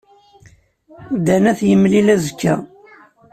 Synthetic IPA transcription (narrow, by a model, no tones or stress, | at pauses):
d̪ænæθjəmlilæzkːæ̰